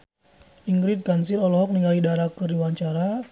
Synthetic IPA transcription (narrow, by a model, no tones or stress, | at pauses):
iŋɡɾit̪̚kansiɾɔlɔɦɔk̚niŋɡalidaɾakəɾiwaɲt͡ʃaɾa